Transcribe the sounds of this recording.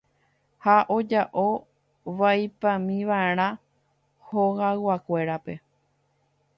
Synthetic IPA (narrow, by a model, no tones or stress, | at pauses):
haʔo̞d͡ʒaʔo̞ | ʋajpãmĩʋaeɾ̃ã | hoɣawakʷe̞ɾape̞